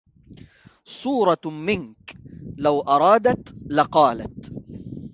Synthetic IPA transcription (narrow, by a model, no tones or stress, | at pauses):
sˤuːɾˤɑmɪnklawʔɑɾˤɑːd̪at̪laqɑːla̰t̪